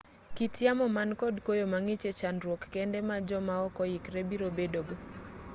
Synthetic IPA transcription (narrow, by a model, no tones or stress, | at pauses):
kitjamɔmankɔdkojomaŋɪt͡ʃet͡ʃanɾwokːɛndɛmad͡ʒɔmaɔkɔjɪkɾebiɾobedoɡ